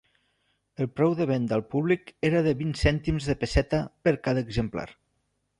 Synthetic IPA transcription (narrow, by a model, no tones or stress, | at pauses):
əlˠpɾɛwðəβ̞end̪əlˠpuβlikeɾəðəβinsɛnt̪imzðəpəsɛt̪əpəɾkaðəːɡzəmpla̰ɾ